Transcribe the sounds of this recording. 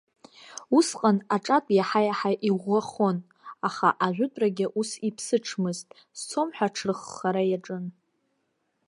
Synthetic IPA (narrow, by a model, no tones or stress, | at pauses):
usqʼanaʈ͡ʂʼatʼjaħajaħaʔiʁʷaχon | aχa̰ʔaʒᶣʷʊtʼraɡʲɪʔusipʰsɨʈ͡ʂʰmɨztʼ | st͡sʰo̞mħʷᶣaʈ͡ʂʰrɨχːaɾajaʈ͡ʂʼɨn